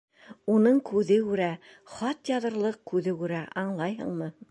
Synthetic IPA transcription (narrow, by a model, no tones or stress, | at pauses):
unɤɴkʉðɘkʉɾæ | χɑt̪jɑðɤ̆ɾlˠɤq̚kʉðɘkʉɾæʔɑɴlˠɑjɦɤ̰̆ɴmɤ